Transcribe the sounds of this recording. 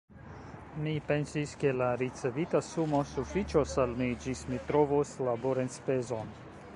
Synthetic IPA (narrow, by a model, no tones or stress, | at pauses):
mipe̞nsiske̞laɾit͡se̞vitasumo̞sufit͡ʃosalmid͡ʒismitɾovoslaboɾenspe̞zo̞n